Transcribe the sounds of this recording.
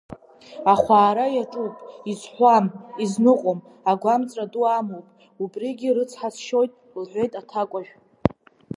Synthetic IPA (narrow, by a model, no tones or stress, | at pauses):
aχʷaːɾajaʈ͡ʂʼupʼizħʷamiznɨqʷʼom | aɡʷamt͡sʼraduamowpʼ | ubʼriɡʲirɨt͡sʰħasʃo̞jtʼ | lħʷe̞jtʼatʰakʷʼaʒᶣʷ